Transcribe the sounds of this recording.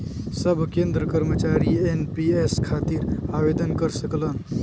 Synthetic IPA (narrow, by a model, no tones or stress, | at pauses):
səbʱkẽnd̪ɾəkəɾmət͡ʃaɾienpieskʰat̪iːɾaʋed̪ənkəɾsəklən